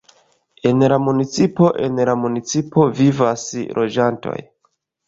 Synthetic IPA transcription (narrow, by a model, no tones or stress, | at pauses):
e̞nlamunit͡sipo̞ʔe̞nlamunit͡sipo̞vivaslʔo̞d͡ʒanto̞̰j